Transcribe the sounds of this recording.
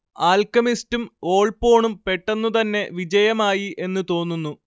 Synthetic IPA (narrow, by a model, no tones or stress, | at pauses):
aːlkɐmistumo̞ːɭpo̞ːɳumpe̞ʈːɐnːut̪ɐnːe̞ʋid͡ʑɐjɐmaːjiʔe̞nːɨt̪o̞ːnːunːu